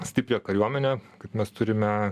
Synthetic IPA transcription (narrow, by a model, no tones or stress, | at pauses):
sʲt̪ʲɪpʲɾʲeːkɐɾʲuɔmʲɛnʲɛːkɐɪpmʲɛst̪ʊɾʲɪmʲɛ